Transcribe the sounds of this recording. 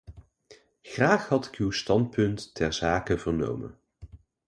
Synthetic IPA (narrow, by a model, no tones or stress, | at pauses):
χraːχhɑtɪ̥kywstɑnt̚pɵntːɛɹzaːkəvəɹno̰wmə̰n